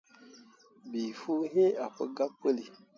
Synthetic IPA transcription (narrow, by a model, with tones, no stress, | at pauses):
bi˨fu˦ɦẽ˦a˨pə̰˦ɡa˦pə˦li˨